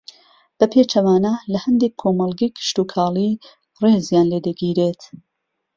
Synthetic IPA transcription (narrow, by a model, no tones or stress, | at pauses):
b̥ɐpʰet͡ʃɐwaːnalɐhɐnd̪ekʰːoːmɐlˠɡikʰɪ̥ʃt̪uːkʰaːli | reːzjaːnleːd̪ɐɡiːɾet̪